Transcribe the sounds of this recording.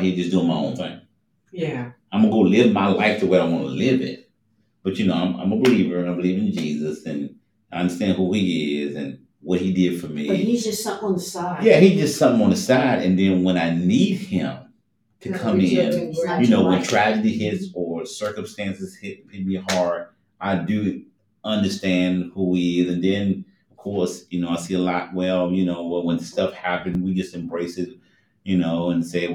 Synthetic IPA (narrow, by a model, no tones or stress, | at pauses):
hid͡ʒʌsd̥uɪ̃ŋmaɪõ̰ʊ̃nθɪ̰̃ŋ | jæaɪwmɑ̃nəɡoʊɾlɪvmaɪlaɪftʰəwəɾaɪwɑ̃nə̰lɪvɪ̰̃n | b̥ʌt͡ʃɨnoʊãɪ̃mʔã̰ɪ̃məbəlivə˞ɨ̃nãɪ̃mbəlivɪ̃ŋ̃nd͡ʒizɨsɨ̃n | aɪʌ̃ndə˞stæ̃nd̚huiɪzɨ̃n | wʌt̚hidɪd̥fə˞mihid͡ʒʌstsʌ̃n̩ðəsaɪjæhid͡ʒʌstsʌ̃mθɪ̃ŋə̃nðɨsaɪɾɨ̰̃nðɨ̃nwə̃ñaɪnid̚ɪ̰̃m | tʰɨkʰʌ̃mɪ̃njɨnoʊwə̃ntʰɹ̥æd͡ʒɨɾihɪtsə˞sɜ˞kɨ̃mstæ̃nsɨz̥hɪt̚pʰɪt̚bihɑɹd̥̚ | ʔaɪdɨ | ʌ̃ndə˞stæ̃nd̚huiɪzɨ̃nðɨ̃n | ʌv̥kʰɔɹsjɨnoʊaɪsiəlaɪkwɛlˠjɨnoʊwə̃nðɨstʌfhæpɨ̃nwid͡ʒʌstɨ̃mbɹeɪsɨt̚ | jɨnoʊə̃nseɪ